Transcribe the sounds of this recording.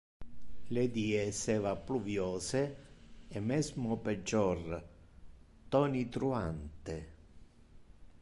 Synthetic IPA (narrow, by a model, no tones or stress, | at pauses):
led̪iːesɛːvapluvjɔːse | ɛmɛzmʊped͡ʒːɔr | t̪ɔnit̪ɾuant̪e